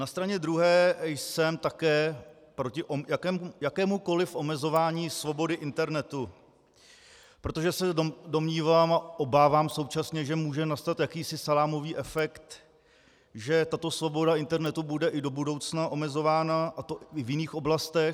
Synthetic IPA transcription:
nast̪ɾaɲɛd̪ɾuɦɛːjsɛmt̪akɛː | pɾo̞cɪʔojakɛːmjakɛːmuko̞lɪfʔo̞mɛzo̞vaːɲiːsvo̞bo̞dɪʔɪnt̪ɛɾnɛt̪u | pɾo̞t̪o̞ʒɛsɛdo̞mɲiːvaːmaʔo̞baːvaːmso̞wt͡ʃasɲɛʒɛmuːʒɛnast̪at̪jakiːsɪsalaːmo̞viːʔɛfɛkt̪ | ʒɛt̪at̪o̞svo̞bo̞daɪnt̪ɛɾnɛt̪ubudɛʔɪdo̞budo̞wt͡snaʔo̞mɛzo̞vaːnaʔat̪oɪvjɪniːxo̞blast̪ɛ

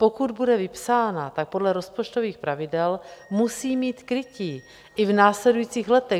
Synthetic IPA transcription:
po̞kud̪budɛvɪpsaːnat̪ak̚podlɛɾo̞spo̞t͡ʃt̪oviːxpɾavɪdɛlmusiːmiːt̪kɾɪciː | ʔɪvnaːslɛdujiːt͡siːɣlɛt̪ɛ

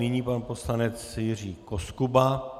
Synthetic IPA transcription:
nɪɲiːpanposlanɛt͡sjɪr̝iːkoskuba

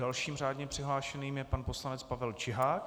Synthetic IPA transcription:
alʃiːmraːdɲɛpr̥ɪɦlaːʃɛniːmjɛpanposlanɛt͡spavɛlt͡ʃɪɦaːk

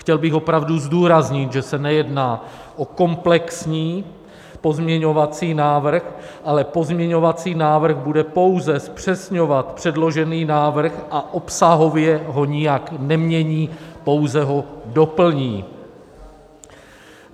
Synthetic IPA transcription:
xcɛlbɪxo̞pɾavduzduːɾazɲɪt̪ʒɛsɛnɛjɛdnaː | ʔo̞ko̞mplɛksɲiː | po̞zmɲɛɲo̞vat͡siːnaːvr̩xʔalɛpo̞zmɲɛɲo̞vat͡siːnaːvr̩ɣbudɛpo̞wzɛspr̝̥ɛsɲo̞vat̪pr̝̥ɛdlo̞ʒɛniːnaːvr̩xʔaʔo̞psaɦo̞vjɛɦo̞ɲɪjaknɛmɲɛɲiːpo̞wzɛɦo̞do̞pl̩ɲiː

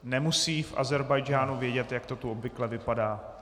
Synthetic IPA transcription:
nɛmusiːfʔa̰zɛɾbajd͡ʒaːnuvjɛɟɛt̪jakt̪o̞t̪uobvɪklɛvɪpadaː

